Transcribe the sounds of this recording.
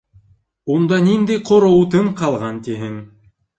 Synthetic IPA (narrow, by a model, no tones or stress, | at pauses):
und̪ɑnind̪ɘjqʰŏɾŏwt̪ɤɴqɑlˠʁɑnt̪iɦɘŋ